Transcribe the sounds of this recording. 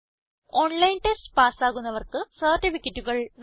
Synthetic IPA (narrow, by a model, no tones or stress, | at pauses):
o̞ːɳlɐjnʈestpaːsaːɣunːɐʋɐrkɨsɐːrʈifikʲːɐtːuɣɐɭn